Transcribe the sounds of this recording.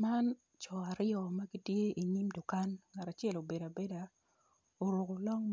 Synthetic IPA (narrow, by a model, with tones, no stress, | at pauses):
ma˦n | t͡ʃɔ˨a˨ɾɪjɔ˨ma˦ɡi˦tje˦ʔi˨ɲi˦mdʊ˨ka˦nŋa˨ta˨t͡ʃɪ˦ɛ˦˨lo˨be˨da˨be˦da˨ | o˨ɾo˨ko˨lɔ˦ŋ